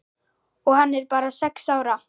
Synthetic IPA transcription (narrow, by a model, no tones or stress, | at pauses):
ɔɣhanːɛɾpaːɾasɛksaːwɾa